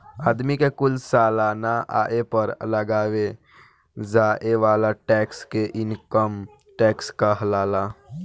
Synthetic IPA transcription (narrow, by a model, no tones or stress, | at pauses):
aːd̪mikekʊlsaːlaːnaa̰ːʔepəɾləɡaːwe | zaːʔeʋaːlaʈɛːkskeʔɪnkəm | ʈɛːkskaɦlaːlaː